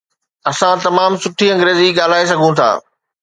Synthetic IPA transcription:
ɐsãt̪ɐmaːmsʊʈʰiɐ̃ŋɡɾeːziɡaːl̤aːes̬ɐɡʱũt̪ʰa̰ː

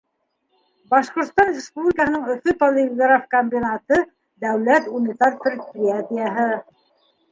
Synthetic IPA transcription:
bɑʃqŏɾt̪st̪ɑnrʲɪspublʲikəɦɤnɤɴɵ̆fɵpolʲɪɡrafkomʲbʲinat̪ɤ | d̪æwlæt̪unʲit̪arpʲrʲet̪̚prʲiat̪ʲijaɦɤ

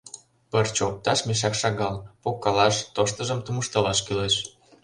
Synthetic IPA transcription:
pərt͡ɕop̚t̪ɑʃmeʃ̬ɑkʃɑɣɑlpokːɑlɑʃt̪oʃt̪ə̆ʒəmt̪umuʃt̪əlɑʃkyleʃ

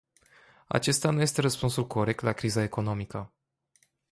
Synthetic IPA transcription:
a̰t͡ʃe̞st̪anuje̞st̪e̞ɾəspunsulkʰo̞ɾek̚t̪lakɾizae̞ko̞no̞mikə

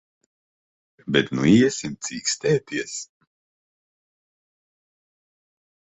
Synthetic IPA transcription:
bɛt̪nuiɛsʲimt̪siːkst̪ɛːt̪iɛs

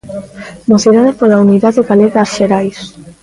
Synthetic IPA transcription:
moθiɾaðepolauniðaðeɣaleɣasʃeɾajs

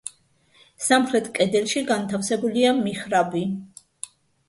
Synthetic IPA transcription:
samχɾɛt̪ʰkʼɛd̪ɛlˠʃiɡant̪ʰafsɛbuliamiχɾabi

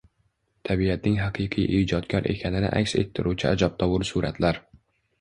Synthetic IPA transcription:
t̪ʰabiat̪̚nɪŋɦaqʰɨqʰɨjʔiːd͡ʒɒt̪kʲʰaɾʔe̞̰kʲʰanɪnɪ̰ʔa̰kʲse̞̰t̪ʰːɪɾʔut͡ʃʰɪad͡ʒɒp̚t̪ʰɒwʊɾsʊɾa̰t̪ʰlaɾ

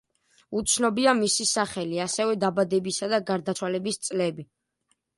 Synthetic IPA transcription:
ut̪sʰnɔbiamisisaχɛliasɛvɛd̪abad̪ɛbisad̪aɡaɾd̪at̪sʰwalɛbist̪sʼlɛbi

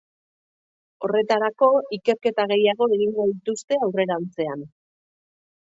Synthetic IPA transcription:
o̞re̞t̪aɾako̞ike̞ɾke̞t̪aɣe̞jaɣ̞o̞eɣiŋɡoðit̪ust̪e̞awre̞ɾant͡se̞an

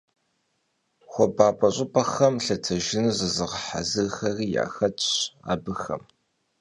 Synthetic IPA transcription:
χʷɔbaːpʼɐɕʼɪpʰʼɐxɐmɬɐtʰɐʒɪnɨzɨzɨʁəħa̰zɨrxɐriːja̰ːxɐtʼɕa̰ːbɨxɐ̰m

